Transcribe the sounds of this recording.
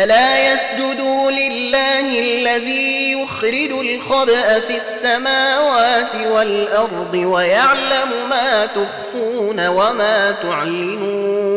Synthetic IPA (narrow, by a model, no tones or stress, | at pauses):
ʔalaːjasd͡ʒʊd̪uːlɪlːaːhɪalːaðiːjʊxɾɪd͡ʒʊlxɑbʔafiasːamaːwaːt̪ɪwalʔɑɾˤd̪ˤɨwajaʕlamʊmaːt̪ʊɣfuːnawamaːt̪ʊʕalːɪmuː